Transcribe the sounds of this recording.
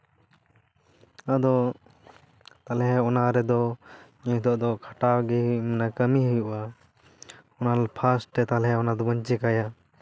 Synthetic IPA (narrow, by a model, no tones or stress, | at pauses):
ad̪ɔ | t̪alɛɦɛɔnaɾɛd̪ɔɲɛd̪ɔʔd̪ɔkʰaʈaɡɛmɛnakəmiɦujuʔa | ɔnalpʰasʈɾɛt̪alɦɛɔnad̪ɔbəɲt͡ʃɛkaja